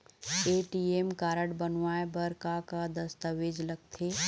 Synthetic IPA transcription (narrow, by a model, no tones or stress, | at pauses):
eːʈieːmkaːɾəɽbənʋaːebəɾkakad̪ɐst̪əʋeːd͡ʒləɡ̚t̪ʰeː